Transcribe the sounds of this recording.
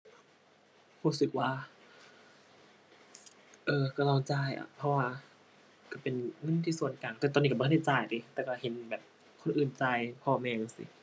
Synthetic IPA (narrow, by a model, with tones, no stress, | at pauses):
huː˧˥sɯ˨˧k̚waː˧ | ʔɤː˧˩ka˧˩lɔː˧˩ŋt͡ɕaː˧˩jʔa̰˨˧˩pʰɔ˧waː˧ | ka˧˩pe˨nŋɤ˧˥˨nt̪ʰiː˧˩su˧˦ənkaː˨˩ŋt̪ɔː˧˩t̪ɔː˧niː˧bɔ˧˥˧da˧˥˩t͡ɕaː˧˩jdiː˧˦t̪ɛː˧˩ka˧˩he˨˦nbɛː˨˩p̚ | kʰo˧˥˨nʔɯː˨˩nt͡ɕaː˧˩jpʰɔː˧˩mɛː˧ŋɤ˧sḭ˧˦